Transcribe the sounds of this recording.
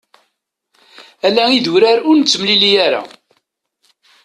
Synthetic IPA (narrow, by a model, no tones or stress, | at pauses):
ælːæiðuɾaɾʊɾnət͡sːəmlilijæɾa̰